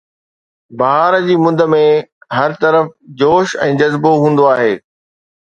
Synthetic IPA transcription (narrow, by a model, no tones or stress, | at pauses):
bɐɦaːɾəd͡ʑiːmʊ̃d̪ʱə̆mẽɦɐɾt̪ɐɾəfd͡ʑoːʃɛ̰̃ːd͡ʑɐzboɦũːn̆d̪oaːɦeː